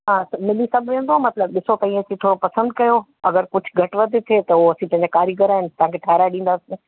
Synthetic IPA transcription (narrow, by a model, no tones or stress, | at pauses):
ɦãːsɐmɪlisɐbʱʋẽːn̆d̪oaːmɐt̪ləbɗɪsot̪ɐĩɐsĩt̪ʰoːɾopɐsə̃nd̪̚kɐjo | ɐɡəɾkʊd͡ʑʱʰɡʱɐʈʋɐd̪ʱet̪ʰet̪ɐɐsĩpɐ̃ɦɪ̃ɲd͡ʑakaːɾiɡəɾaːɦɪnɪt̪ɐʋãkʰeːʈʰaːɾaɗĩːnd̪aːsĩ